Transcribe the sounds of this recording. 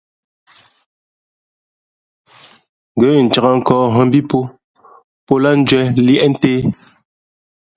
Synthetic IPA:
ŋ˨ɡə˨˦˨n̩˨t͡ʃa˨ɣa˨ŋ̩˦˨kɔː˦ɦɔ̃˨m˦bi˦po˦ | po˦la˦n̩˦d͡ʒwɛ˦ljɛ˦ʔn̩˦teː˦

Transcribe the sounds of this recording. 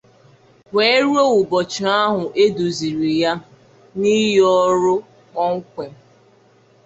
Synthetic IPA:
wʷe˨e˦ɾu˦o˦ɣʊ˨bɔ˨t͡ʃʊ˨a˦ɦʊ˨ʔe˦du˨zi˨ɾi˨ja˦ | ni˦jɔ˦ɾʊ˦ | ɔ˦ŋ̩˦kʷe˨

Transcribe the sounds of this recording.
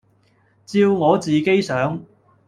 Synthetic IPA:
t͡siː˧wŋɔː˨˧t͡siː˨ke˥jsœː˨˥ŋ

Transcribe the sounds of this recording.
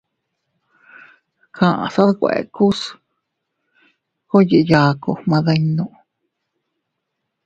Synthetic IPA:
kʰã˧˨ʔã̰˧˨sa˦ðkʷḛ˨ku˦s | kõ˦je˨ja˧ko˧˨mã˧ða˧nõ˧ʔ

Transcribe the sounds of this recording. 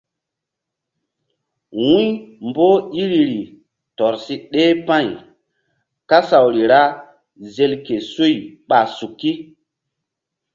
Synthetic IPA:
wũ˦jmbo˦i˦ɾi˨ɾi˨ | tɔ˨ɾsi˦ɗe˦pã˦˨j | ka˦sa˨wɾi˨ɾa˦ | ze˦lke˨su˦jɓa˨su˨kːi˦

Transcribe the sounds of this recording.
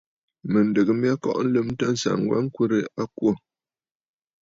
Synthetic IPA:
mə˨n˨də˨ɡə˨mja˦kɔ̰˦ʔn̩˦lə˦m˦tə˦n̩˦sa̰˨ŋ˦ɡwa̰˦ŋ̩˦kwə˦ɾə˦a˦kwo˦˨

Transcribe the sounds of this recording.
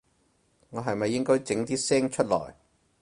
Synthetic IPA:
ŋɔː˨˧ɦɐ˨jmɐ˨jːɪ˥ŋkɔː˥jt͡sɪ˨˥ŋt̪iː˥sɛː˥ŋt͡ʃʰɵ˥t̚lɔ̰ː˨˩j

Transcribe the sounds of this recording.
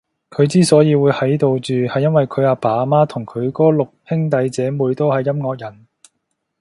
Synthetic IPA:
kʰɵ˨˧ɥt͡siː˥sɔː˨˥jiː˨˧wuː˨˧jhɐ˨˥jt̪o˨˧wt͡ʃyː˨hɐ˨jːɐ˥nwɐ˨jkʰɵ˨˧ɥaː˧paː˨˥maː˥t̪ʰʊ˨˩ŋkʰɵ˨˧ɥkɔː˥lʊ˨k̚hɪ˥ŋt̪ɐ˨˥jt͡sɛː˨˥muː˨˧jt̪o˥whɐ˨jːɐ˥mŋɔː˧k̚jɐ˨˩n

